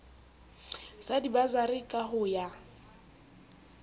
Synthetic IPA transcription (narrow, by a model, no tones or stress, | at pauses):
sadibazaɾɪkʼaɦʊja